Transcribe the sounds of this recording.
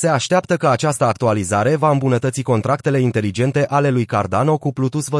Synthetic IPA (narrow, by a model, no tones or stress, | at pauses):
se̞aʃt̪eapt̪əkəat͡ʃast̪əak̚t̪ualizaɾe̞vaɨmbunət̪ət̪siko̞nt̪ɾakt̪e̞le̞int̪e̞lid͡ʒe̞nt̪e̞ʔale̞lujkard̪ano̞kuplut̪usvə